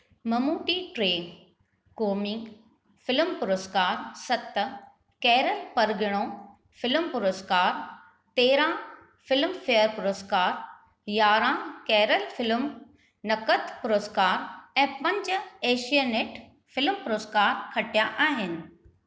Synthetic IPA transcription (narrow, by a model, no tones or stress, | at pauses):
mɐmuːʈiʈɾeː | koːmɪ̃ŋɡ | fɪlmpʊɾoskaːɾsɐt̪ | kɛːɾəlpɐɾɡɪɽ̃õ | fɪlmpʊɾoskaːɾ | t̪eːɾã | fɪlmfeːəɾpʊɾoskaːɾ | jaːɾãkɛːɾəlfɪlm | nɐkət̪ʰpʊɾoːskaːɾɛ̃ːpɐ̃ɲd͡ʑeːʃijəneʈ | fɪlmpʊɾoːskaːɾkʰɐʈijãʔaːɦɪnɪ̆